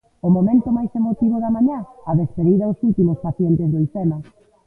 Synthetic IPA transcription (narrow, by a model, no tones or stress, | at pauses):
ʊmomẽnt̪ʊmajsemot̪iβʊðɐmãɲaɐðespeðiðɐʊsult̪imʊspaθjent̪ɪzðoisemɐ